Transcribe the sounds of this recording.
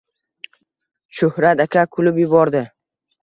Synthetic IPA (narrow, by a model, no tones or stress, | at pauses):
ʃʊhɾat̪akʲʰakʰʊlɪpjʊbɒɾd̪ɪ